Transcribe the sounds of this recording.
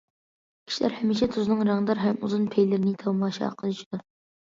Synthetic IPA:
kʲʰi̥ʃilæ̰ɾhɛmiʃɛt̪ʰuznɨŋɾɑŋd̪ɑɾɦɛmuzunpʰejlɪɾɪnɪt̪ʰɑwmɑʃɑ̰qʰəlˠɨt͡ʃʰid̪̥u

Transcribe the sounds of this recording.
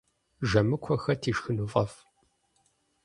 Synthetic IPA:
ʒɐmɨkʷʰɔxɐtʰiːʃxɨnufʼɐf

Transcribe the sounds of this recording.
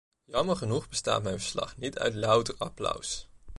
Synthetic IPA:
jɑməɹχənuχbəsta̰ːtmɛjnvəɹslɑ̰χnitœ̰ɥtlœwtərɑplʌ̰ws

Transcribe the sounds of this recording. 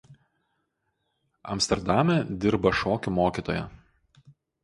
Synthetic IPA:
ɐ̰mʲsʲt̪ʲɛɾd̪ɑmʲɛd̪ʲɪɾbɐʃoːkʲʊmoːkʲiːt̪oːjɛ̰

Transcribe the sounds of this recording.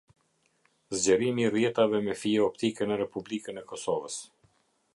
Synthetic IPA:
zd͡ʑəɾimirjɛt̪avɛmɛfiɔpt̪ikənɛɾɛpublikənɛkɔsɔvəs

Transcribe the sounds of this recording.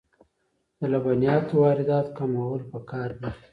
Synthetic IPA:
d̪̥əlabanijɑt̪wɑɾɪd̪ɑt̪kamawəlpəkɑɾd̪i

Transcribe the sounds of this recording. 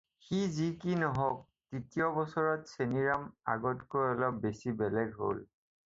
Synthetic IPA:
xizikinɔɦɔk̚ | titijɔbɔsɔɹɔtseniɹama̰ɡɔtkojɔlɔbesibɛlɛɡɦo̰l

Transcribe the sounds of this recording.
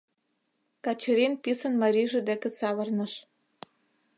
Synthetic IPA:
kɑt͡ɕɤɾinpisə̆nmɑɾʲiʒĕd̪ekĕt͡sɑβɤrnɤ̆ʃ

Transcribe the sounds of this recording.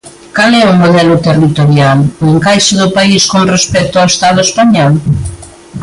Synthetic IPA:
kalɛumoðɛlʊt̪erit̪oɾjalʊeŋkajʃʊðʊpaiskonrespɛk̚t̪oawest̪að̞ʊespaɲɔl

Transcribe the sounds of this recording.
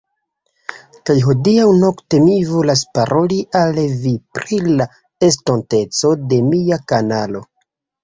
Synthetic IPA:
kajɦo̞diawno̞kte̞mivo̞laspaɾʔo̞liʔalvipɾila | e̞s̬tonte̞t͡so̞de̞miakanalo̞

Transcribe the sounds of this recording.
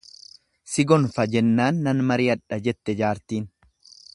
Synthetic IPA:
sɪɡɔnfɐd͡ʒɛnːaːnːɐnmɐɾiːɐᶑɐd͡ʒɛt̪ːɛd͡ʒaːɾt̪iːn

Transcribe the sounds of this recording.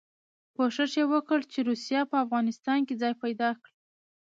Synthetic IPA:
koʂəʂjewəkəɽt͡ʃeɾusijɑpəafɣɑnɪst̪ɑnked͡zɑjpajd̪ɑkɽi

